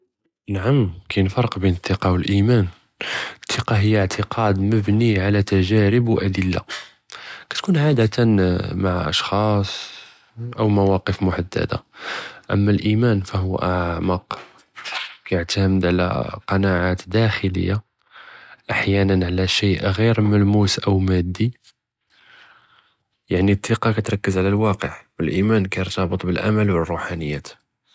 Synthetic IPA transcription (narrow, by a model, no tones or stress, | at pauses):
naʕamkʰæjnfɑɾˤəqbinət̪ˤːəqɑwəlʔimæn | t̪ˤːəqɑɦəjːaʕt̪ʰəqʰɑd̪məbniʕalæt̪æʒæɾəbwʔæd̪əlːa̰ | kæ̥t̪kunʕad̪ət̪maʕʔɑ̰ʃxɑsˤ | ʔəwmæwɑqəfmʊħad̪ːæ̰d̪a̰ʔə̰mːælʔimænfæhʊw̰ʔaʕʕməq | kæjʕt̪æməd̪ʕlæ̰qɑnaʕat̪d̪æxələ̰jːa | ʔaħjænənʕalæʃiʔɣiɾmælmusʔəwmæd̪ːi | jaʕnit̪ʰˤːiqɑkæt̪ɾˤɑkːəzʕlælwɑqəʕwəlʔimænkæjəɾt̪ɑbət̪ˤbəlʔa̰məlwərˤːuħanəjːæt̪